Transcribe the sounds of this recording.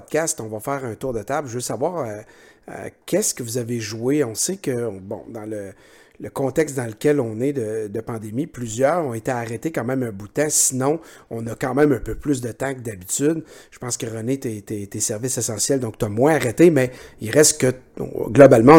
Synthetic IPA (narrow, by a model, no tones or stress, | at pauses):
d̪kʲast̪ɔ̃vafɛːʁœ̃t̪uːʁd̪ət̪ablʒəvøsavwaːʁə | ə̰kʲʰɛskəvuzaveʒueɔ̃sekə̃bɔ̰̃d̪ɑ̃lə | ləkɔ̃t̪ɛkst̪d̪ɑ̃ləkʲɛlɔ̃ned̪əd̪əpɑ̃d̪emiplyzjœːʁɔ̃et̪eaʁɛt̪ekɑ̃ːmɛ̃mœ̃but̪ɛ̃sinɔ̃ɔ̃nʌkɑ̃ːmɛ̃mœ̃ːpøplys̬d̪ət̪ãkəd̪abit̪yd̪ʒə̥pɑ̃skəʁənet̪et̪et̪esɛʁvɪsesɑ̃sjɛld̪ɔ̃k̚t̪yamwɛ̃aʁɛt̪emɛilʁɛst̪kə̰ɡlɔbalmã